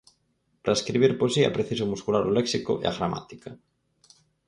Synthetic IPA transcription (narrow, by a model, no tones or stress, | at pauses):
pɾaeskɾiβ̞iɾpoesia̰pɾeθisomuskulaɾoleksiko̰ʔḛa̰ɣɾama̰t̪i̥ka